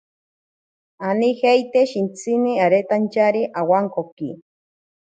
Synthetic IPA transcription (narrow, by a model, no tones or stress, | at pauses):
anihejt̪eʃint͡sʰiniaɾet̪ant͡ʃaɾiʔawaŋkoki